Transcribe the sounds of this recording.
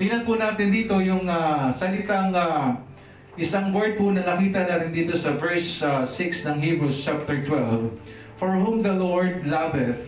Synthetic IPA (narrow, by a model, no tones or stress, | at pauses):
d̪inɐnpʊnaːt̪ɪnd̪iːt̪o̞jʊŋasɐlɪt̪aŋa | ʔɪsaŋwɛɹd̪̚pʊnɐŋɐkiːt̪ɐnaːt̪ɪnd̪iːt̪o̞sɐvɛɹsasɪksnɐŋhiːbɹust͡ʃap̚t̪ɛɹt̪wɛlv | fɔɹhumðɐloɹd̪̚labɛθ